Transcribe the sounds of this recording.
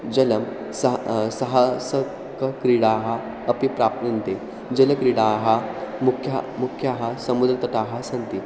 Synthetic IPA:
d͡ʑələm | səsəɦasə | kəkɾiɽaɦa | əpipɾap̚t̪nint̪e | d͡ʑələkɾiɽaɦamukʰːjamukʰjaɦasəmud̪ɾət̪ət̪aɦasənt̪i

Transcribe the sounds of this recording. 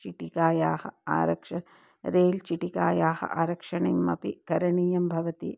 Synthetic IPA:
t͡ʃiʈikaːjaːhɐ̰a̰ːɾɐkʂɐ | ɾeːlt͡ʃiʈikaːjaːhɐ̰ʔaːɾɐkʂɐɳimːɐ̰pikɐɾɐɳiːjɐmbʱɐʋɐt̪i

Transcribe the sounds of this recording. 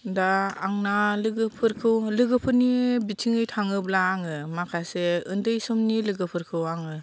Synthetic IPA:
daːŋnalɯɡɯpʰɯɾkʰɯwlɯɡɯpʰɯɾnibitʰiŋɯjtʰaŋɯblaːŋɯmakʰaseɯndɯjsɯmnilɯɡɯpʰɯɾkʰɯwaŋɯ

